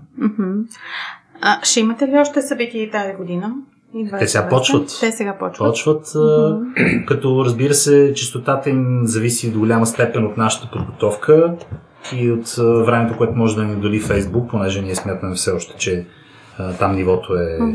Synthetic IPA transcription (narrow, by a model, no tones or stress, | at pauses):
m̩hm̩ | əʃɛimət̪ɛliɔʃt̪ɛsɐbit̪iit̪aziɡod̪inə | ivɛsɛɡapɔt͡ʃvət̪t̪ɛsɛɡapɔt͡ʃpɔt͡ʃvət̪ː | kɐt̪ɔɾəzbiɾəsɛt͡ʃist̪ot̪at̪əimzɐvisid̪ɡolʲaməst̪ɛpɛnʲot̪naʃə̥t̪ə̥pod̪ɡot̪ɔfkʰə | iot̪vɾɛmɛt̪okoɛt̪omɔʒɛd̪ɐnid̪olifɛjzbuk̚ponɛʒɛniɛsmʲjat̪əmɛfsɛɔʃt̪ɛ̥t͡ʃɛ | t̪amnivɔt̪oɛ